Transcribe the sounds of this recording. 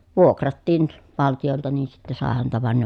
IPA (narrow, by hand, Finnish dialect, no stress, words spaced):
ʋuokrɑtːiːn ʋɑltijoltɑ niː sitːɛ sɑˑe hæntæ ʋɑn ne